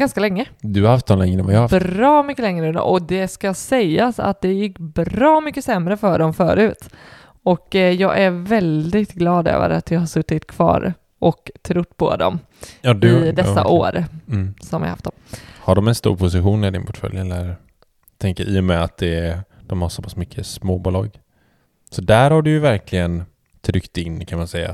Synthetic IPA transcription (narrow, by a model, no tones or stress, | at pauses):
ɡanskalɛŋːəd̪ɵhaɾhaft̪ːɔnɛŋəvajaɾɑːmʏkːəlɛŋɾəɵnd̪ə̰ʔɔd̪ɛskaasɛjːasa̰t̪̚d̪ɛjɪkːbɾɑːmʏkːəsɛmɾəfœɖɔmfœ̰ːɾʉ̟ːt̪ | ɔkjɑːɡʔæɾvɛld̪ɪt̪ɡlɑːd̪ø̰ːvə̰ɾa̰t̪̚d̪ɵhaʂɵt̪ːɪt̪kʰvɑ̰ːɾ | ʔɔkt̪ʰɾʊt̪ːpʰɔ̰d̪ɔ̰mː | d̪ɪd̪ɛsːa̰ʔoːɾsɔmvɪ̰a̰ha̰ft̪d̪ɔmhaɖɔmɛnst̪ṵːɾpʰʊs̬ɪɧuːnɪɖɪnpʰɔ̥ʈfœ̰ljɛlːəɾ | t̪ʰɛŋkəɾʔiːʊmɛat̪̚d̪ɛd̪̥ɔmhaʂsoːpḁsmʏkʰːəsmoːbuːlɑːɡ | sɔd̪æɾhaɖɵjɵvæɾkʰlɪɡən | t̪ʰɾʏkt̪ɪnːkʰanmansɛjːa̰